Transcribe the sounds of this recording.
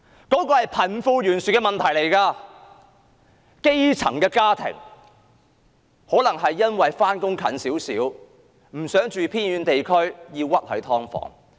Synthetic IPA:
kɔː˨˥kɔː˧hɐ˨jpʰɐ˨˩nfuː˧ɥyː˨˩nsyː˨˩kːɛː˧mɐ˨nt̪ʰɐ˨˩jle˨˩jkaː˧ | ke˥jt͡sʰɐ̰˨˩ŋkɛː˧kaː˥t̪ʰɪ̰˨˩ŋ | hɔː˨˥lɐ˨˩ŋɦɐ˨jːɐ˥nwɐ˨jfaː˥nkʊ˥ŋkʰɐ̰˨˥nsiː˨˥wsiː˨˥w | m̩˨˩sœː˨˥ŋt͡ʃyː˨pʰiː˥njyː˨˧nt̪e˨jkʰɵ˥ɥjiː˧wwɐ˥t̚hɵ˨˥t̪ʰɔː˥ŋfɔ̰ː˨˥ŋ

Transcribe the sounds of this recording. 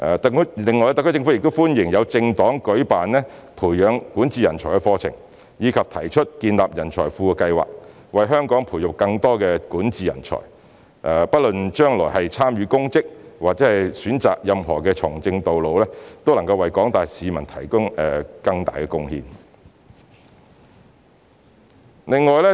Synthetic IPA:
ʔɛː˨t̪klɪ˨ŋːɔː˨jɛ˧t̪ɐ˨kʰːjt͡sɪ˧ŋfu˨˥jɪ˨k̚t̪o˥wfuː˥njɪ˨˩ŋjɐ˨˧wt͡sɪ˧ŋt̪ɔː˨˥ŋkɵ˨˥ɥpaː˨nlɛː˥pʰuː˨˩jœː˨˧ŋkuː˨˥nt͡siː˨jɐ̰˨˩nt͡ʃʰɔː˨˩jkɛ˧fɔː˧t͡sʰɪ̰˨˩ŋ | jiː˨˧kʰɐ˨p̚t̪ʰɐ˨˩jt͡ʃʰɵ˥t̚kiː˧nlaː˨p̚jɐ˨˩nt͡ʃʰɔ̰ː˨˩jfuː˧ɛ˧kɐ˧jwa̰ː˨k̚ | wɐ˨jɦœː˥ŋkɔː˨˥ŋpʰuː˨˩jʊ˨k̚kɐ˧ŋt̪ɔː˥kɛː˧kuː˨˥nt͡siː˨jɐ̰˨˩nt͡ʃʰɔ̰ː˨˩j | ʔɛ˨˩pɐ˥t̚lɵ˨nt͡ʃœː˥ŋlɔː˨˩jɦɐ˨jt͡sʰaː˥mjɥyː˧kʊ˥ŋkɪ˥k̚waː˨k̚t͡sɛː˨˥hɐ˨jsyː˨˥nt͡sa̰ː˨k̚jɐ˨mɦɔː˨˩kɛː˧t͡ʃʰʊ˨˩ŋt͡sɪ˧ŋt̪o˨wlo˨wlɛː˥t̪o˥wlɐ˨˩ŋkɐ˧wɐ˨jkɔː˨˥ŋt̪aː˨jsiː˨˧mɐ˨˩nt̪ʰɐ̰˨˩jkʊ˥ŋɛ˨kɐ˧ŋt̪a̰ː˨jkɛ˧kʊ˧ŋhḭː˧n | lɪ˨ŋːɔː˨jlɛː˥

